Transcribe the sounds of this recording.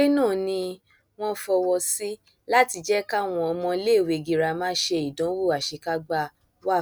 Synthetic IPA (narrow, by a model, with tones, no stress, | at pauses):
i˦nãː˦˨nĩ˧ | w̃ɔ̃˦fɔ˧wɔ˧si˦ | la˦ti˧d͡ʒɛ˦ka˦w̃ɔ̃˧ɔ˧mɔ̃˧le˦˨we˨ɡi˨ɾa˧mãː˦ʃe˧i˨dɔ̃˨˦wo˦˨a˨ʃe˨˧ka˦ɡ͡ba˧˨ | wa˦˨